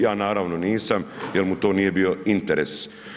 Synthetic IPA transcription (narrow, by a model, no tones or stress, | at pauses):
jaːnaːɾaʋno̞niːsamjelmut̪o̞ːnije̞bio̞int̪eɾes